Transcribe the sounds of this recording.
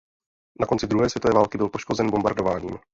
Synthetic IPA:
nako̞nt͡sɪd̪ɾuɦɛːsvjɛt̪ovɛːvaːlkɪbɪlpoʃko̞zɛnbo̞mba̰ɾdovaːɲḭːm

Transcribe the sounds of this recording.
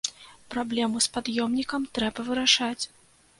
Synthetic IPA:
pɾablʲɛmuspad̪jɔmnʲikɐmt̪ɾɛbɐvɨɾaʂat͡sʲ

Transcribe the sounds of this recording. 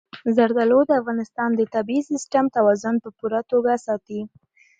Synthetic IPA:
zaɾd̪alod̪əafɣɑnɪst̪ɑnd̪ət̪abiisɪsʈamt̪awɑzʊnpəpuɾat̪oɡasɑt̪i

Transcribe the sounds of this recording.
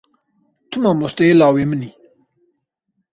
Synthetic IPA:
t̪ʰumamust̪eelaːweməni

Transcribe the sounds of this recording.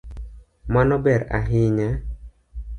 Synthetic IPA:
manɔbɛɾa̰ɦɪɲɛ

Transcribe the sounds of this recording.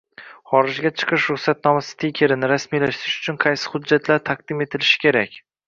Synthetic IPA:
χɒɾɪd͡ʒɡʲat͡ʃʰɨ̥qʰɨʃɾʊχsat̪̚nɒmasɪ̥t̪ʰekʲʰe̞ɾɪnɪɾasmijlaʃt̪ɪɾɪʃʊ̥t͡ʃʰʊnqʰɑjsɪ̥χʊd͡ʒːat̪ʰlaɾt̪ʰaq̚d̪̥ɪme̞t̪ʰɪlɪʃɪ̥kʲʰe̞ɾakʲ

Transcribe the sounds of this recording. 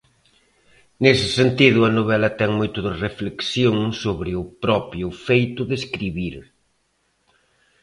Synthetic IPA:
nesɪsent̪iðʊɐnoβɛlɐt̪ɛŋmojt̪ʊðɪrefleksjoŋsoβɾɪʊpɾɔpɾjʊfejt̪ʊðeskɾiβiɾ

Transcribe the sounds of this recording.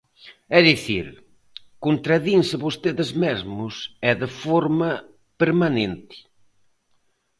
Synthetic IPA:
ɛðiθiɾ | kont̪ɾaðinsɪβost̪eðɪzmezmʊsɛðɪfɔɾmɐ | peɾmanẽnt̪ɪ̥

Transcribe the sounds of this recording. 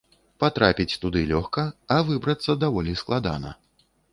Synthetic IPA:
pat̪ɾapʲit͡sʲt̪ud̪ɨlʲɔxkɐːvɨbɾɐt̪sːɐd̪avɔlʲisklˠad̪a̰nɐ̰

